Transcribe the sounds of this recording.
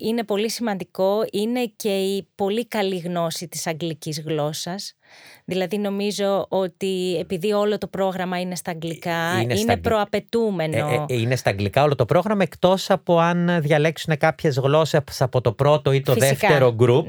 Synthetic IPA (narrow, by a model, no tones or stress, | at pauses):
ine̞po̞lisimɐnd̪iko̞ine̞ce̞ipo̞likɐliɣno̞sit̪i̥sɐŋɡlicizɣlo̞sɐs | ðilɐðino̞mizo̞ot̪ie̞piðio̞lo̞t̪o̞pɾo̞ɣɾɐmɐine̞st̪ɐːɡlikɐininepɾo̞ɐpe̞t̪ume̞noine̞st̪ɐːŋɡlikɐo̞lo̞t̪o̞pɾo̞ɣɾɐmɐekt̪o̞sɐpoɐnðʝɐle̞ksune̞kɐpçe̞zɣlo̞sesɐpo̞t̪o̞pɾo̞t̪o̞it̪o̞fiðefeɾoɡɾup